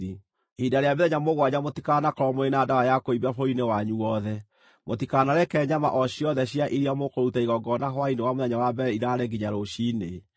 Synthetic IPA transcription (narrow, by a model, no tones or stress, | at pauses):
i | hidaɾeameðɛɲamoɣwaɲamotikanakɔɾɔmoenaːdawajakoiβafoinewaɲuwɔðɛ | motikanaɾɛkɛːɲama̰ʔɔɕiɔðɛɕiaʔiɾiamokoutaiɣɔɡɔnaɦwainewamoðɛɲawabɛɾɛiɾaːɾeɡiɲaɾoɕine